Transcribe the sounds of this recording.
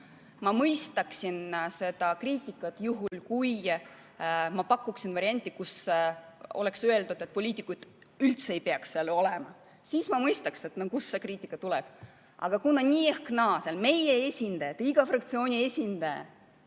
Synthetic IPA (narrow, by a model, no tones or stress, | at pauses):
mɑmɤjst̪ɑksinse̞d̪̥ɑkriːt̪ʲːˑikːˑɑt̪juɦulkuj | mɑpɑkˑːuksinvɑɾʲiɑnʲt̪ˑːikus | o̞̰le̞ksøe̞ld̪ud̪et̪̚ːpo̞lʲiːt̪ːˑikːud̪̥ | ylt̪seejpeɑksːelo̞le̞mɑ | siːsmɑmɤjst̪ɑkse̞t̪nokusːe̞kriːt̪ːˑikːˑɑt̪ulɛb̥ | ʔɑ̰ɡ̥ɑkunːɑnʲiːehknɑːselme̞je̞esʲind̪ɑjɑt̪ːiɡ̥ɑfrɑkt̪sio̞ːnʲie̞sʲind̪̥ɑjɑ̰